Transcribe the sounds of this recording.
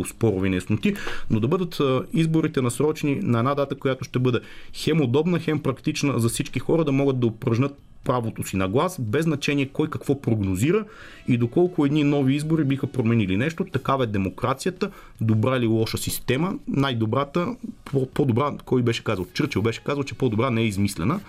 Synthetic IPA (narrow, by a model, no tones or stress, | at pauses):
ʊspɔɾʊvinɛsnot̪inod̪ɐbɤd̪ət̪ːizboɾit̪ɛnɐsɾɔt͡ʃɛninɐɛnad̪at̪əkojat̪oʃt̪ɛbɤd̪ɛxɛmod̪ɔbnəxɛmpɾɐkt̪it͡ʃnəzɐfsit͡ʃkixɔɾəd̪ɐmɔɡət̪̚d̪ɐopɾɐʒnʲət̪̚ | pɾavot̪osinɐɡlˠasbɛznɐt͡ʃɛniɛkɔjkɐkvɔpɾoɡnoziɾə | id̪okɔlˠkʊɛd̪ninɔviizboɾibixəpɾomɛnilinɛʃt̪ot̪ɐkavɐɛd̪ɛmokɾat̪sijət̪ə | d̪obɾaililˠɔʃəsist̪ɛmənajd̪obɾat̪əpopod̪obɾakɔjbɛʃɛ̥kazɐlˠt͡ʃɤɾt͡ʃɛvbɛʃɛ̥kazɐlˠt͡ʃɛpɔd̪obɾanɛɛizmislɛnə